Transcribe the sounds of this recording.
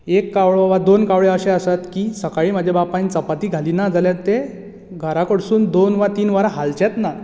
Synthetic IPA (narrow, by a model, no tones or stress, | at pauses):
ekːaʋɭoʋad̪onkaʋɭeəɕeəsat̪kiːsəkaɭiːm̤ad͡ʑʱebapant͡səpat̪iːɡʱaliːnad͡zʱaljat̪ːe | ɡʱəɾakəɽsuːnd̪onʋat̪iːnʋaɾaɦalt͡ɕet̪na